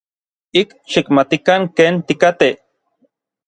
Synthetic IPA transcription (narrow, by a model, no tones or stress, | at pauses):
ik | ʃikmat̪ikaŋkeːnt̪ikat̪e